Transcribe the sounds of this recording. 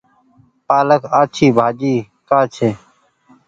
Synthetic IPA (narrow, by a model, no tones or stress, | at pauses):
paːləkaːt͡ʃʰiːbʱaːd͡ʒiː | kaːt͡ʃʰeː